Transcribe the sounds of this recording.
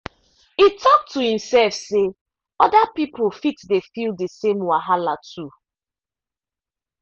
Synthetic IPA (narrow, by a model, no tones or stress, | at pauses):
hitʰɔk̚tʰːuhĩmsɛlfse | ɔdapipofitdefilˠdesẽmwaɦalatʰu